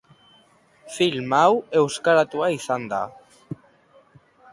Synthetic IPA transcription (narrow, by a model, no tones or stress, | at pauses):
filmawewskaɾat̪uaisand̪a̰